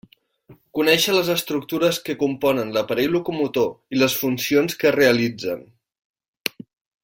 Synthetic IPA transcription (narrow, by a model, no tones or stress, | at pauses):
kunɛʃələzəst̪ɾuk̚t̪uɾəskəkumpɔnənləpəɾɛjlukumut̪oiləsfunsionskəreəlid͡zən